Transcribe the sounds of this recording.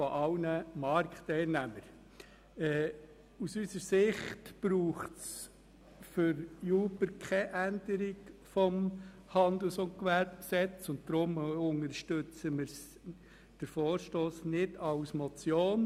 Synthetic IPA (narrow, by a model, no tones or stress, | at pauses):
fɔʔɑʊnəmɑɾktɛɪlnæməɾ | ɛː | usysəɾsɪχtb̥ɾuːχs | fʏɾjuːbəɾkʰɛʔænd̥əɾiɡfɔm | hɑnd̪əl̩sʊnkʋæɾbksɛt͡sʊnt̚d̥̪ɾʊmʊŋəɾʃtʏt͡səmɪɾs | d̥əɾfɔoːɾʃtoːsnɪdɑʊsmɔt͡sjoːn